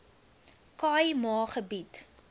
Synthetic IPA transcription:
kɑːjmɑːχəbit

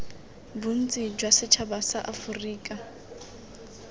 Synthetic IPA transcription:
bun̩t͡sʼid͡ʒwasɪt͡ʃʰabasaʔafʊriːkʼa

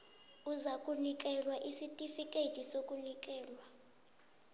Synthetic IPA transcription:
uzakʼunikʼɛlwaʔisitʼifikʼed̥ʒ̥ʱisokʼunik̬ʼɛːlwa

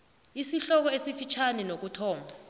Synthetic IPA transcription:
isiɬɔk̬ɔesifit͡ʃʰanɛnok̬utʰɔːmʱa

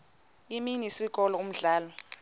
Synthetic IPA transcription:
iminisik̬ʼɔlɔum̩ɮaːlɔ

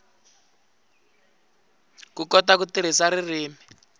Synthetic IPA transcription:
kukɔtakut̪iɾ̤isaɾiriːmi

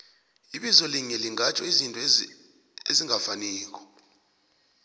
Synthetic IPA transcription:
iɓizɔliŋɛliŋʱat͡ʃʰɔizintʼɔ | eziŋafaniːk̬ʰʼɔ̥

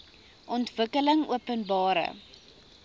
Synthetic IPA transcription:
ʔɔntvəkələŋuəpənbɑːɾə̰

